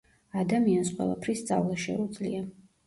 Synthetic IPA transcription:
ad̪amiansqʼwɛ̰lˠa̰pʰɾist̪sʼa̰vlˠaʃɛ̰ud̪zlḭa

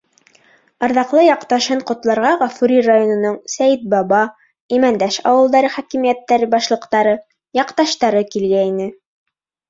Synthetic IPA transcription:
ɑɾðɑqlˠɤjɑqt̪ɑʃɤɴqŏt̪lˠɑɾʁɑʁɑfuɾirajonŏnoɴsæjt̪̚bɑβɑ | imænd̪æʃɑ̰wɤ̆lˠd̪ɑɾɤχækimijæt̪ːæɾbɑʃlˠɤ̆qt̪ɑɾɤ | jɑqt̪ɑʃt̪ɑɾɤkilɡæinɘ

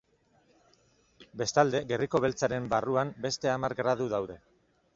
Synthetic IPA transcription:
be̞st̪ald̪e̞ɣe̞riko̞β̞e̞lt͡saɾe̞mbaruambe̞st̪e̞amaɾɡɾað̞uðawðe̞

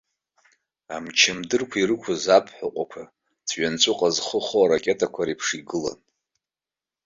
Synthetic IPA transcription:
a̰mt͡ʃʰɪmdɨrkʷʰairɨkʷʰazapʰʼħʷaqʷʼakʷʰa | t͡sʰɥant͡sʷʼʊqʼazχəχoaɾakʲʼe̞tʰʼakʷʰaɾipʰʂiɡɨla̰n

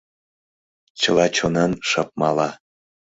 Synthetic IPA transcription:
t͡ɕəlɑt͡ɕonɑnʃɑp̚mɑlɑ

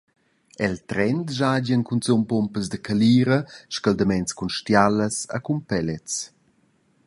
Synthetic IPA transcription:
ɛlt̪ɾɛnt̪ʒad͡ʑənkunt͡sumpompəzd̪əkaliːɾəʃkald̪əmɛnt͡skunʃtjaləsa̰kumpɛlɛt͡s

